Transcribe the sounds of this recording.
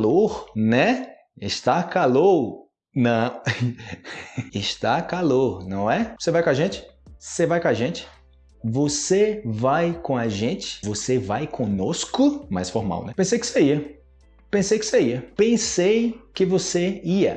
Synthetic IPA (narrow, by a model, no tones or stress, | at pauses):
loɾnɛ | ɪʃt̪akalo | nɐ̃ | ɪʃt̪akaloɾnɐ̃w̃ɛvosevajkõaʒẽt͡ʃɪ̥osevajkõaʒẽt͡ʃɪ̥ | vosevajkõaʒẽt͡ʃɪ̥vosevajkʰõnoskʊma̰jsfɔɾma̰wnɛpẽsejkɪ̥seiɐ | pẽsejkɪ̥seiɐpẽsejkɪvoseiɐ̰